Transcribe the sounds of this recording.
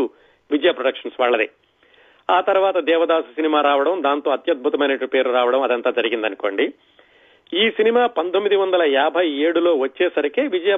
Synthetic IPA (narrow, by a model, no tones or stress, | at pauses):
u | ʋid͡ʒɐjaːpɾoɽɐkʂɐnsʋaːɭːɐd̪i | aːt̪ɐɾuʋaːt̪ɐd̪ɛːʋɐd̪aːsusinimaːɾaːʋɐɽɐmd̪aːnt̪o̞ːɐt̪jɐd̪̚bʱut̪ɐmɐjnɐʈːupe̞ːɾuɾaːʋɐɽɐmɐd̪ɐnt̪aːd͡ʒɐɾiɡind̪ɐnuko̞ːɳɖi | iːsinimaːpɐnt̪omːid̪iʋɐnd̪ɐlɐjaːbʱɐje̞ːɽulo̞ːʋɐt͡ʃːɛːsɐɾikeːʋid͡ʒɐjaː